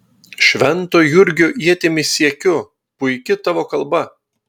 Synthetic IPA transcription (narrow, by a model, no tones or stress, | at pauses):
ʃʲʋʲɛnˑt̪oːjʊɾʲɡʲʊʔiɛt̪ʲɪmʲɪsʲiɛkʲʊ | pʊɪkʲɪt̪ɑʋoːkɐlˠbɐ